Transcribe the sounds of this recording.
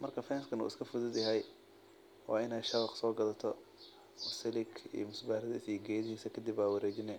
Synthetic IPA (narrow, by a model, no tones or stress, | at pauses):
mɐrkʰɐfɛːnskʰɐnṵːɪskʰɐfʊðʊd̪jɐɦɛj | wɑ̰ːɪnɛːjʃɐɾɑqsɔːɡɐðɐt̪ʰɔ | ɔsɛlɪkʰḭjɔmʊsbaːɾɐðɐɪsiːɡɛːjðɪhiːsɐkʰɐd̪ɪbaːwɐɾɛːt͡ʃɪnɛ